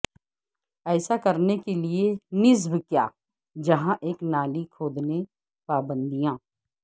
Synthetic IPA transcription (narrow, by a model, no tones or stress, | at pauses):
ɛːsakɐɾnekelienɪzbkja̰ː | d͡ʒɐɦãʔeːknaːlikʰoːd̪ne | paːbə̃nd̪ijãː